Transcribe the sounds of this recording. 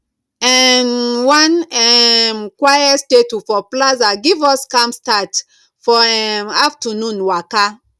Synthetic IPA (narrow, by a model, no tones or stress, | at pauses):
ɛnwãnɛmkwajastetufɔplazaɡivɔskãmstat | fɔɛmaftɔnũnwaka